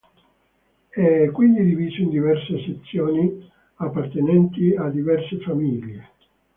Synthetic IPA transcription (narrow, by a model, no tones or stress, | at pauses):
ɛkːwind̪id̪iviːzoind̪ivɛrseset̪sːjoːni | apːart̪enɛnt̪iad̪ivɛrsefamiːʎːe